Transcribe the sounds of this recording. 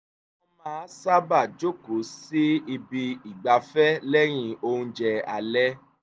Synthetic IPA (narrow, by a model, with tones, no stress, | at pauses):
ɔ˦mãː˨˦˨sa˦ba˦˨d͡ʒo˦ku˨˦si˦i˧bi˧i˨ɡ͡ba˧fɛ˦lɛ˦j̃ĩ˧o˧ũ˧d͡ʒɛ˧a̰˨lɛ˦